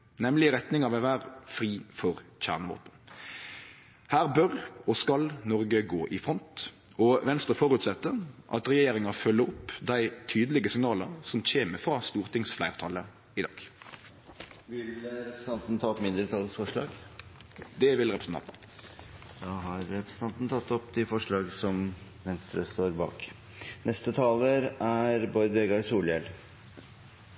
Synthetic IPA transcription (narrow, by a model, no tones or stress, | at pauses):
nɛmlɪʁɛt̪nɪŋɑʋɛʋæːɾfʁiːfɔʁc͡çæ̰ːʁnəʋo̰ːpən | hæːʁbœʁɔskɑlnɔʁɡəɡoːʔɪfɾɔnt̪ | ɔʋɛnst̪ɾəfɔɾʉːt̪sɛt̪ːəʁʔɑ̰t̪ʁɛjeːɾɪŋɑfœlːəɾɔpːd̪æɪt̪ʰyːd̪əlɪɡəsɪŋnɑːləɾsɔmc͡çeːməfɾɑst̪uːʁt̪ʰɪŋsflæɪʁt̪ʰɑlːə | ɪd̪ɑ̰ːɡ̥ | ʋɪlɾɛpɾəsn̩ɑnt̪nt̪ʰɑːɔpmɪnd̪ɾət̪ʰɑːlːəsfɔʂɭɑ̰ːɡ | d̪ɛʋɪlʁɛpɾəsn̩ʰɑ̰nt̪n̩ | d̪ɑɦɑɾɾɛpɾəsən̩ʰɑnt̪nət̪ʰɑt̪ːɔpd̪ɪfɔʂɭɑːɡsɔm | ʋɛnst̪ɾəst̪oːɾbɑ̰ːk | nʔɛst̪ət̪ʰɑːləɾæɾbɔɾd̪ʋeɡɑɾsuːljɛl